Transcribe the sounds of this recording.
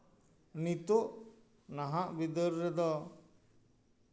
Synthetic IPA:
nit̪oʔ | naɦaʔbid̪əɾːɛd̪ɔ

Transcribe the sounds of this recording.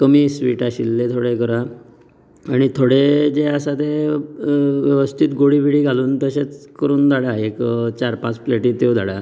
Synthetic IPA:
kəmiːsʋiːʈaɕilːet̪ʰoɽekəɾa | aɽ̃it̪ʰoɽed͡zeasat̪e | ʋjəʋəst̪ʰit̪ɡoɽibiɽiːɡʱaluːnt̪əɕet͡skəɾuːnd̪aɽaekt͡ɕaɾpãt͡sfleʈiːt̪od̪ʱaɽa

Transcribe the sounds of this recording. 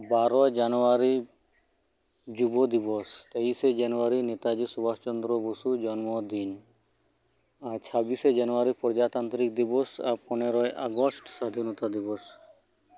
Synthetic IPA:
baɾɔjd͡ʒanɔaɾi | d͡ʒubɔd̪ibɔst̪eised͡ʒanɔaɾinet̪ad͡ʒisubast͡ʃɔnd̪ɾɔbusud͡ʒɔnmɔd̪in | aɾt͡ʃʰabised͡ʒanɔaɾipɾɔd͡ʒat̪ant̪ɾikd̪ibɔsa̰ɾpɔneɾɔjʔa̰ɡɔsʈsad̪ʱinɔt̪ad̪ibɔs

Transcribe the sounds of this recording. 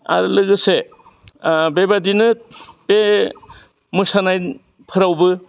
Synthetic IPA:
a̰ɾɯlɯɡɯse | bebadinɯb̥e | mɯsanaj | pʰɯɾawbɯ

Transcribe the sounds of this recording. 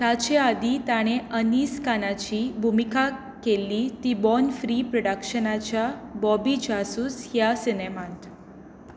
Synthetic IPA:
t̪at͡ɕead̪it̪aɽ̃eəniːskanat͡ɕiːbʱumika | kelit̪ibɔnfɾipɾɔɽəkʂənat͡ɕjabɔbid͡ʑasuːsjasinemãt̪

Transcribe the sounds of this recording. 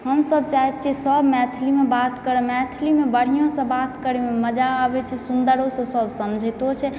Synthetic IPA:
ɦəmsəb̚t͡ʃaɦɛt̪t͡ʃʰisəbmɛt̪ʰilimebat̪kəɾemɛt̪ʰlimebəɽ̤ijõsə̃bat̪kəɾememəd͡ʒaːbɛt͡ʃʰɛsund̪əɾosə̃səbsəmd͡ʒʱɛt̪ot͡ʃʰɛ

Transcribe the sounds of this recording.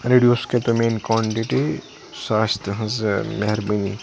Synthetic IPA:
ɾeːɖijosket̪omeːnkaːɳʈiʈi | saːst̪ɦɐ̃zmeɦɾbinḭ

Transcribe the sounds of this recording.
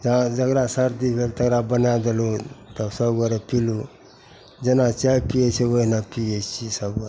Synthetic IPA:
d͡ʒãd͡ʒəɡɾasəɾd̪ibʱelt̪əɡɾabənad̪elot̪əsəbɡəɾepilu | d͡ʒenat͡ʃaipiet͡ʃʰewəɦinapiet͡ʃʰisəbɡəɾ

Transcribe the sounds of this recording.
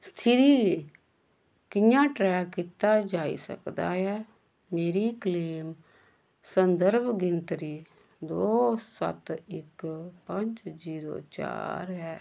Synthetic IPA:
st̪ʰɪɾiːe | kɪjãːʈɾɛːkkɪt̪aːd͡ʒaːḭsə̰kd̪a̰ːɦɛː | meːɾiːkleːm | sənd̪əɾbʱɡɪnt̪ɾiː | d̪oːsə̰t̪ɪkpəɲd͡ʒziːɾo̰ːt͡ʃa̰ːɾɦɛː

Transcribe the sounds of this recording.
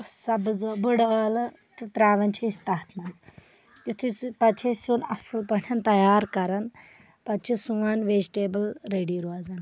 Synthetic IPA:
sɐbd͡zɨbəɽaːlɐ | t̪ɨt̪ɾaːʋɐnt͡ʃʰeist̪aːt̪ʰnaz | jit̪ʰipɐt͡ʃʰesuːnɐ̰sɨlpɐɳʲɐnt̪ɐjaːɾkɐɾɐn | pɐt͡ʃʰisuʋaːnʋeːd͡ʒiʈeːbəlɾeːɽiɾuaːd͡zan

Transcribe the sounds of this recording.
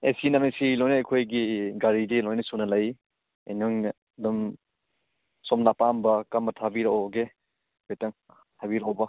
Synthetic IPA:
esinamesilojnɐːjkʰojɡiɡaɾidilojnɐsunɐlaj | ḛnɔŋ | dum | sɔmnapambɐkɐmbɐtʰabiɾoɡe | bejtɐŋ | tʰabiɾaɔbɐ

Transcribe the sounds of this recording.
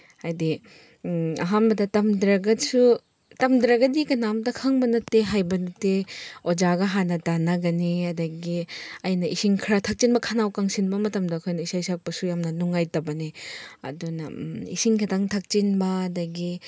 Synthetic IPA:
hajdi | ɐ̰ɦambɐdɐtɐmdɾɐɡɐsu | tɐmdɾɐɡɐdikɐnamdɐkʰaŋbɐnɐteɦajbɐnɐteod͡ʒaɡɐɦanɐtanɐɡɐniɐdɐɡiɐjnɐʔisiŋkʰɾatʰak̚t͡ʃinbɐkʰanawkaŋsinbɐmɐtɐmdɐːkʰojnɐisajsak̚pɐsujamnɐnuŋajtɐbɐniɐ̰dunɐ̰ḭsiŋkʰadaŋtʰak̚t͡ʃinbɐːdɐɡi

